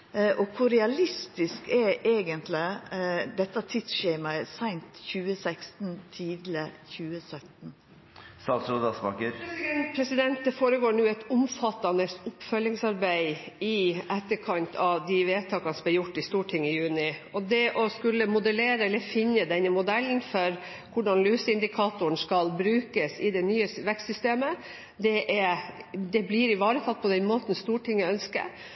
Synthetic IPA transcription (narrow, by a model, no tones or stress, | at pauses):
ʔɔkʰʊɾɛɑlɪst̪ɪskɛɾeːɡənt̪ʰlɪd̪ɛt̪ːɑt̪ʰɪt̪sʃɛːmɑɛsæɪnt̪çʉːəsækst̪n̩t̪ʰiːd̪ləçʉːəsœt̪n̩ | st̪ɑːt̪sɾud̪ɑspɑ̰kəɾɛnpʰɾɛsɪd̪ɛnt̪̚d̪ɛfoːɾəɡoːɳʉːɛt̪ʊmfɑt̪ːɑnəsʊpːfœlːɪŋsɑɾbæɪɪɛt̪ːəɾkʰɑnt̪ʰɑʋd̪ɪʋeːt̪ʰɑːkɑnsbɪjʊʈːɪst̪uːʈʰɪŋːɪjʉːnɪɔd̪ɛʔɔskʉlːəmʊd̪əleːɾəɛlːəɾfɪnːəd̪ɛnəmʊd̪ɛlːn̩fɔɾ | kʊɖɑnlyːsəɪnd̪ɪkʰɑːt̪ʊəɳ̩skɑlbɾʉːkəsɪd̪ɛnyːəsʋɛkst̪sʏst̪eːmə | d̪ɛʔɛd̪ɛblɪɾɪʋɑːɾət̪ʰɑt̪̚ːpʰɔd̪ɛnmoːt̪n̩st̪uːʈʰɪŋːəœnskə̰